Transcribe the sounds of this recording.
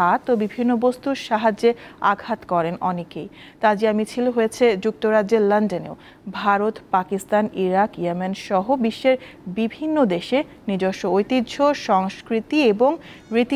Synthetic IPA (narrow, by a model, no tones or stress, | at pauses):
at̪obibʱinːobost̪uɾʃaɦad͡ʑea̰ɡʱat̪kɔɾenɔ̰nekej | t̪ad͡ʑiamit͡ɕʰilɦojet͡ɕʰed͡ʑuk̚t̪oɾadːeɾlanɖenḛo | bʱaɾot̪pakist̪aniɾakjamenʃɔɦobiʃːeɾbibʱinːod̪eʃe | nid͡ʑoʃoojt̪id̪ːʃʰoʃɔŋskɾit̪ieboŋ | ɾit̪